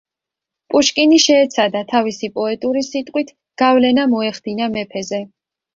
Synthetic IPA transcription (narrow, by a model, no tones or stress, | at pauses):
pʼuʃkʼiniʃɛːt̪sʰad̪at̪ʰavisipʼɔɛt̪ʼuɾisit̪ʼqʼwit̪ʰ | ɡ̥avlɛnamɔɛχd̪̥inamɛpʰɛzɛ